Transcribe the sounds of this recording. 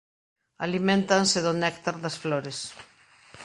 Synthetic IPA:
alimẽnt̪ansɪðonɛkt̪aɾðɐsfloɾes

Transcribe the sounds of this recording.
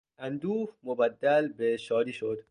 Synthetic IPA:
ænd̪uːfmobæd̪ːælbeʃɒːd̪iːʃod̪

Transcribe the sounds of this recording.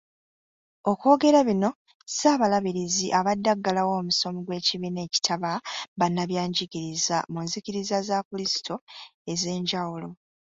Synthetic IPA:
o̞kwo̞ːɡe̞ɾaβino̞ | saːβalaβiɾiziʔaβadːaɡːalawo̞ːmuso̞miɡwe̞ːciβine̞ːci̥tʰaβaβanːaβjaːɲɟiɡiɾizamunziciɾizazakulisi̥tʰo̞e̞ze̞ːɲɟawulo̞

